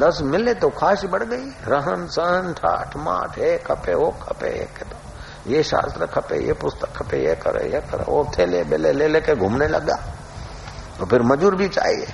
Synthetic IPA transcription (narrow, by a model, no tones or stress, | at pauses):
d̪ɐsmɪlet̪okʰaːʃibɐɽ̤ɡɐiɾɐɦənsəɦənʈʰa̰ːʈʰma̰ːʈʰeːkɦɐpeoːkʰɐpḛḛːkːet̪o | jeʃa̰ːst̪ɾəkʰɐpḛjḛpʊst̪ə̥kʰɐpejekɐɾḛjekɐɾḛot̪ʰeːlebeleleːlekeɡʱʊmnelɐ̰ɡa̰ː | t̪opʰɪɾmɐd͡ʒuːɾbʱit͡ʃa̰ːiḛ